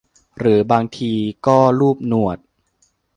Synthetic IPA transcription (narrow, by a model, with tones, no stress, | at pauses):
ɾɯː˩˦baː˧ŋt̪ʰiː˧kɔː˥˩ɾuː˥˩p̚nu˨˩ət̪̚